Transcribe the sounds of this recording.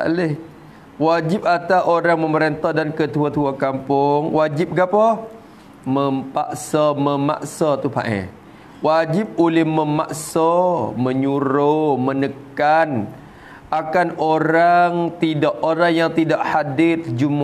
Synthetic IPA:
a̰lɪh | wad͡ʒɪp̚at̪aʔoɾaŋməməɾent̪ɔhdankət̪uat̪uakampʊŋwad͡ʒɪp̚ɡapɔ | məmpaʔsaməma̰ʔsat̪upa̰ʔɛ̰ | wad͡ʒɪp̚ulɪhməmaʔsɔmə̃ɲuɾomə̃nəkan | akanoɾaŋt̪idaʔoɾaŋjaŋt̪idaʔhadɪt̪̚d͡ʒum

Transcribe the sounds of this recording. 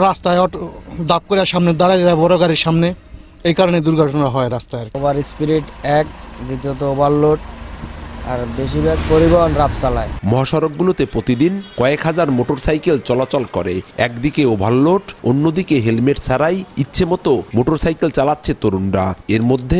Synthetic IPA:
ɾast̪aeɔd̪ap̚koɾeaɾʃamned̪aɾad͡ʑaaebɔɾoɡaɾeɾʃamne | ejkaɾoned̪uɾɡʱɔʈʰonaɦɔeɾast̪aeɾobaɾispiɾiʈɛk̚d̪it̪ot̪oobʱalːoʈ | aɾbeʃibɛkpoɾibɔɦonɾapt͡ɕalaemɔɦaʃɔɾok̚ɡulot̪epɾot̪id̪inkɔekɦad͡ʑaɾmoʈoɾsajkelt͡ɕɔlat͡ɕɔlkɔ̰ɾeɛ̰kd̪ikeobʱalːoʈonːod̪ikeɦelmeʈt͡ɕʰaɾajitːɕʰemɔt̪omoʈoɾsajkelt͡ɕalatːɕʰet̪oɾunɾaeɾmod̪ʱːe

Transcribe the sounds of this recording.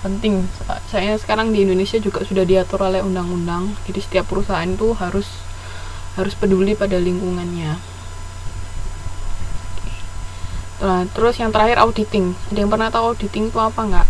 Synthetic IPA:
pənt̪ɪŋsa̰sajasə̥kaɾaŋdiːndonesiad͡ʒuɡaʔsudahdiat̪ʊɾolɛhundaŋundaŋd͡ʒadisə̥t̪iap̚ːəɾusaɦanit̪uɦaɾʊs | haɾʊspədulipadaliŋkuŋanɲa | at̪əɾʊsjaŋt̪əɾahɪɾʔa̰udit̪ɪŋadajaŋpərnat̪awaut̚dit̪ɪŋt̪uapaŋɡaʔ

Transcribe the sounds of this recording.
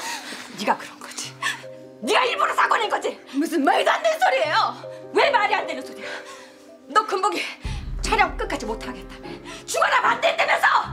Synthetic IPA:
niɡakɯɾʌnɡʌd͡ʑi̥ | niɡaiɾbunos͈ʰaɡonenɡʌd͡ʑimus̬͈ɯnmajdandeɯnsʰoɾie̞jowemaɾiɦandwenɯnsʰoɾijo | nʌkɯmboɡit͡ɕʰaɾjʌŋk͈ɯk͈at͡ɕ͈ʰimotʰaɡe̞t̚t͈ament͡ɕuɡanamandendemjʌnsʰʌ

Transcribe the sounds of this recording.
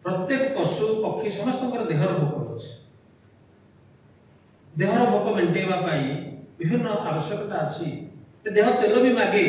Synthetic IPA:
pɾɔt̪jekɔpɔsupɔkʰːisɔmɔst̪ɔŋkɔɾɔd̪eɦɔɾɔbʱokɔɾot͡ʃʰi̥ | d̪eɦɔɾɔbʱokɔmeɳʈeibapaĩbibʱinːɔʔabɔsjɔkɔʈaːt͡ʃʰited̪eɦɔt̪elɔbimaɡe

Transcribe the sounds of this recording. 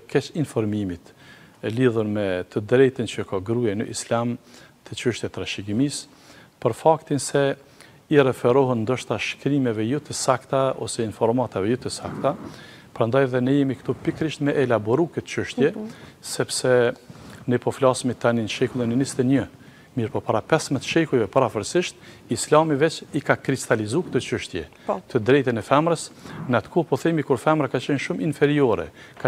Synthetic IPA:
kɛt͡ʃinfɔɾmimit̪ | ɛliðuɾmɛt̪əd̪ɾɛjt̪ənt͡ʃəkaɡɾujɛnə̰ʔislamt̪ət͡ʃəʃt̪jɛt̪ːɾaʃiɡimis | pəɾfakt̪insɛ | iɾɛfɛɾɔɦənnd̪ɔʃt̪aʃkɾimɛvɛjut̪əsakt̪aɔ̰sɛinfɔɾmat̪avɛjut̪əsakt̪apɾand̪ajɛðɛnəjɛmikt̪upikɾiʃt̪mɛʔɛlabɔɾukɛt̪t͡ʃəʃt̪jɛsɛpsɛ | nəpɔflasmit̪ːaninʃɛkulˠinənist̪ɛɲə | miɾpɔpaɾapɛsmɛt̪ʃɛkujvɛpaɾafəɾsiʃt̪̚ | islamivɛt͡ʃikakɾist̪alizukt̪ɔt͡ʃəʃt̪jɛ̰ | t̪əd̪ɾɛjt̪ənɛfɛmɾəsnat̪kʰɔpɔθimikuɾfɛmɾakat͡ʃɛnʃuminfɛɾiɔɾɛ̰ | ka

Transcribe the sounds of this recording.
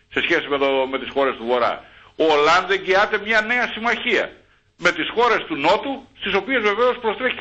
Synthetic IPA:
se̞sçe̞simet̪ome̞t̪isxo̞ɾe̞st̪uvo̞ɾɐ̰ | olɐnd̪ðeɟiɐt̪e̞mɲɐne̞ɐsimɐçiɐ̰ | me̞t̪isxo̞ɾe̞st̪uno̞t̪ust̪iso̞pie̞zve̞ve̞o̞spɾo̞st̪ɾeç

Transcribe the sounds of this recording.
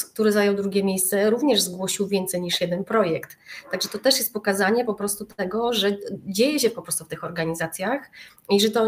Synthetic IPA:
k̚t̪uɾɘzajɔwd̪ɾuɡʲjɛmʲjejst̪sɛɾuvɲɛʐzɡwɔɕiwvʲjɛnt̪sɛjɲiʂjɛd̪ɛnpɾɔjɛkt̪ːaɡʐɛt̪ɔt̪ɛʂjɛst̪pɔkazaɲɛpɔpɾɔst̪ut̪ɛɡɔʐɛd͡ʑejɛɕ̬ɛpɔpɾɔst̪uft̪ɘxɔɾɡaɲizat̪sʲjax | iʐɛt̪ɔ

